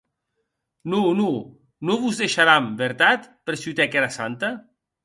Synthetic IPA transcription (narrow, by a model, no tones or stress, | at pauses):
nunu | noβuzðeʃaɾambeɾt̪at̪peɾsut̪ɛkɛɾasa̰nt̪a